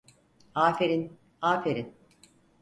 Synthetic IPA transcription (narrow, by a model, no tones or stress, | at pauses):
aːfeɾin | aːfeɾin